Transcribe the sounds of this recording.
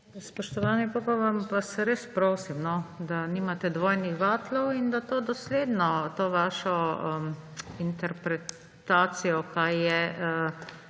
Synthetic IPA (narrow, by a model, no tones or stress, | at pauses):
spɔʃt̪ɔʋaːnipopaʋampasɛɾeːspɾoːsimnɔd̪aniːmat̪ɛd̪ʋoːjnixʋaːt̪lɔwind̪at̪oːd̪ɔsleːd̪nɔt̪oːʋaːʃɔəint̪ɛɾpɾɛ | t̪aːsijɔkajːɛə